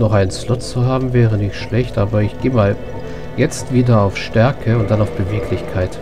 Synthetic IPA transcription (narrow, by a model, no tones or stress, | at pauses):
nɔχaɪnənslʊt͡st͡sːuɦaːbm̩vɛːʁənɪçtʃlɛçtʔaːbɐɪçɡ̥eːmaːl | jɛt͡stv̥iːdɐaʊfʃtɛɐkʰəʊnt̚d̥anaʊfb̥əveːkʰlɪçkʰaɪt